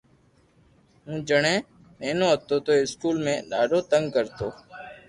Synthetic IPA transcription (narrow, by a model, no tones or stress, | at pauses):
ɦũːd͡ʒəɳẽː | mẽːnõːɦət̪oːt̪oːɪskuːlmẽːɗaːɖoːt̪əŋɡkəɾt̪oː